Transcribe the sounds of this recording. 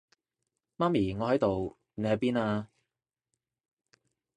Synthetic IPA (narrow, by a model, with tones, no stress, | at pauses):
maː˥miː˨˩ŋɔː˨˧ɦɐ˨˥jt̪o˨w | ne˨˧jɦɐ˨˧jpiː˥naː˧